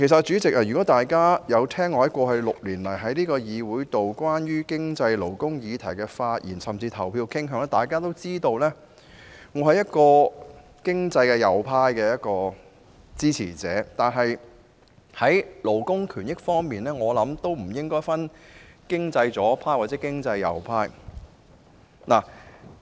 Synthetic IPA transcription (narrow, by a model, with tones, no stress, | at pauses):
kʰe˨˩s̬ɐ˨t̚t͡ʃyː˨˥t͡sɪ˨k̚ɐ˨ɥyː˨kɔ˨˥t̪aː˨jkaː˥jɐ˨˧wt̪ʰɛː˥ŋːɔː˧jɐ˥t̚kʷɔː˧ɦɐ˨jlʊ˨k̚liː˨˩nlɐ˨˩jɦɐ˨˥jliː˥kɔː˧jiː˨˧wuː˨˥jt̪o˨wkwaː˥njyː˥kɪ˥ŋt͡sɐ˧jlo˨˩wkʊ˥ŋjiː˨˧t̪ʰɐ˨˩jkɛː˧faː˧t̚jḭː˨˩nsɐ˨˩mt͡siː˧t̪ʰɐ˨˩wpʰiː˧wkʰɪ˥ŋɦœ˨˧˥ŋɛː˥t̪aː˨jkaː˥t̪o˥wt͡siː˥t̪o˧wlɛː˥ | ŋɔː˨˧hɐ˨jɐ˥t̚kɔː˧ | kɪ˥ŋt͡sɐ˧jkɛː˧jɐ˨˧wpʰaː˥jkɛː˧jɐ˥t̚kɔː˧ | t͡siː˥t͡sʰḭː˨˩t͡sɛː˨˥t̪aː˨nɦɐ˨j | hɐ˨˥jlo˨˩wkʊ˥ŋkʰyː˨˩njɪ˥k̚fɔː˥ŋmiː˨nlɛː˥ŋɔː˨˧lɐ˨˥mt̪o˥wm̩˨˩jɪ˥ŋkɔː˥jfɐ˥nkɪ˥ŋt͡sɐ˧jt͡sɔː˨˥pʰaː˥jwaː˨t̚t͡sɛː˨˦˥kɪ˥ŋt͡sɐ˧jːɐ̰˨˧wpʰaː˥j | naː˨˩